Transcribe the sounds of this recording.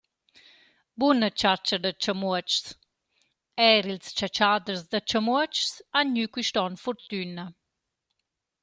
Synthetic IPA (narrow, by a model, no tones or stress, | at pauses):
bunət͡ʃaɾt͡ʃəd̪ət͡ʃəmuət͡ʃs | ɛɾilst͡ʃat͡ʃad̪əɾzd̪ət͡ʃəmuət͡ʃsanɲykwiʃtɔnfɔɾt̪ynə